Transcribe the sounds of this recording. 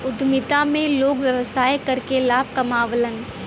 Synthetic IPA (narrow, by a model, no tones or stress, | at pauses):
ʊd̪mɪt̪amẽloːɡʋjəʋəsaːjkɐɾkelaːb̚ʱkɐmaːʋlən